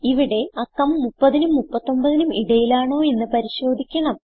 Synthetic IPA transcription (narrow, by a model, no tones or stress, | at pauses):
iʋiɽe̞ɐkːɐmːupːɐðinumːupːɐt̪ːo̞mbɐðinumiɽɐjilaːɳo̞ːe̞nːɨpɐɾiɕo̞ːd̪ʱikʲːɐɳɐm